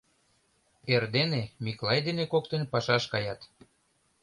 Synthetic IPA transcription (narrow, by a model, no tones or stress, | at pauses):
erd̪enemiklˠɑjd̪enekok̚t̪enpɑʃɑʃkɑjɑt̪